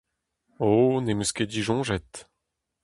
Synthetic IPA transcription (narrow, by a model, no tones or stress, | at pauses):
onemøsked̪iʒɔ̃ːʒɛt̪